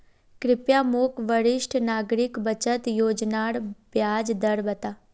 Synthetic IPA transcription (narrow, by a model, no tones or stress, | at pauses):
kɾɪpjamokʋəɾɪʃʈʰnaːɡɾɪkbət͡ʃət̪joːd͡ʒnaːɽbjaːd͡ʒd̪əɾbət̪aː